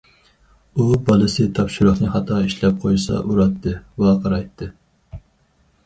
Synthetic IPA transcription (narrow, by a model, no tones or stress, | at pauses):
ubɑlˠɨsɨt̪ʰɑpʃʊɾʊχnɨχɑt̪ʰɑiʃlɛp̚qʰojsɑ̰ʔuɾɑt̪ʰːɨwɑqʰɑɾɑjt̪ʰːɨ